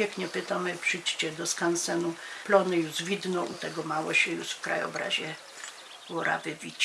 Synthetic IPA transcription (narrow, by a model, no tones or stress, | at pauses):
ekɲɛpɪt̪amɘpʂɘjt͡ɕt͡ɕɛd̪ɔskansɛnuplɔnɪjuʂvʲid̪nɔʔut̪ɛɡɔmawɔɕɛjuʂfkɾa̰jɔ̰bɾa̰ʑɛ | wɔɾʔa̰vɪvʲit͡ɕ